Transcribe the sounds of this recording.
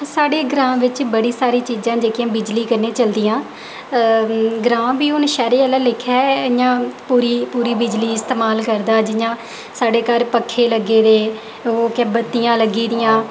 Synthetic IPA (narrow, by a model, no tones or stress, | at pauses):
saːɽeːɡɾãːʋɪt͡ʃbəɽiːsaːɾiːt͡ʃiːzãːd͡ʒeːkɪjãːbɪd͡ʒliːkəɾneːt͡ʃəld̪ɪjãː | ɡɾãːbiːʊnʃɛːɾeːələːlɪkʰɛːjãːpuːɾiːpuːɾiːbɪd͡ʒliːɪst̪eːmaːlkəɾd̪aːd͡ʒɪjãː | saːɖeːkəɾpəkʰːeːləɡːeːd̪eː | oːkɛbət̪ːɪjãːləɡiːd̪ɪjãː